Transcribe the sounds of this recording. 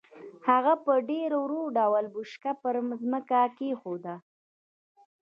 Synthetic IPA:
haɣapəɖeɾowɾoɖawalbuʃkapəɾzməkakexod̪a

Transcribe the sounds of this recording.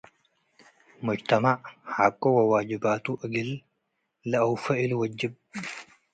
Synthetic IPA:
mɔt͡ʃt̪ɐmaːhakʼːoːwɐwaːd͡ʒɪbaːt̪uːʔɐɡɪl | lɐʔɐwfɐʔɪlwɐd͡ʒːɪb

